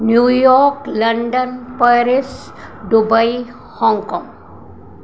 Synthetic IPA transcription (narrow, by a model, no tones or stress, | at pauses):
njujɔɾklɐɳɖənpəɾis | ɖubaj | hɔŋkɔ̃ŋ